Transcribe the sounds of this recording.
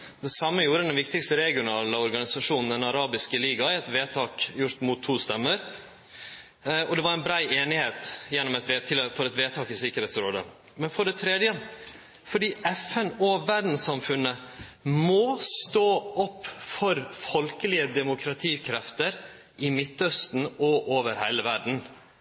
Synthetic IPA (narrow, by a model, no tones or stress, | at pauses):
d̪ɛsɑmːəjuːɾəd̪ɛnʋɪkt̪ɪkst̪əɾɛɡɪʊnɑːləɔɾɡɑnɪsɑʂuːnn̩d̪ɛnɑɾɑːbɪskəliːɡɑɪɛt̪ʋeːt̪ʰɑːkjʊɾt̪mʊːt̪ʰːuːst̪ɛmːəɾ | ɔd̪ɛʋɑɾæɪnbɾæɪeːnɪheːt̪jɛnːɔmɛt̪ʋet̪ʰːɪlfɔɾɛt̪ʋeːt̪ʰɑːkɪsɪkəɾhɛːt̪sɾoːd̪ə̰ | mɛnfɔɖɛt̪ʰɾɛd̪jə | fɔɖiːɛfɛnɔʋæɖn̩sɑmfʉnːəmɔːst̪oːʔɔpːfɔɾfɔlkəlɪəd̪ɛmʊkʰɾɑt̪ʰiːkʰɾɛft̪əɾ | ʔɪmɪt̪ːœst̪n̩ɔʔoːʋəɾhæɪləʋæɖɳ̩